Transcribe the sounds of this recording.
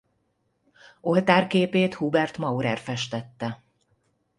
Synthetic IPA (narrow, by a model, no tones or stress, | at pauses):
o̞lt̪aːrkeːpeːt̪hubɛrt̪mɒuɾɛrfɛʃt̪ɛt̪ːɛ